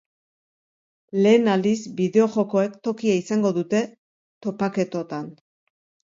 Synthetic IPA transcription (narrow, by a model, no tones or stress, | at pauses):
le̞ːnald̪izbiðe̞o̞ʝo̞ko̞e̞kt̪o̞kiaisaŋɡo̞ðut̪e̞ | t̪o̞pake̞t̪o̞t̪an